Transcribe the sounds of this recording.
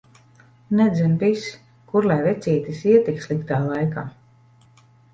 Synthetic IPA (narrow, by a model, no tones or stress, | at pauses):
nɛd̪zɛmpis | kuɾlɛjvɛt̪siːt̪isiɛt̪ikslˠikt̪aːlˠajkaː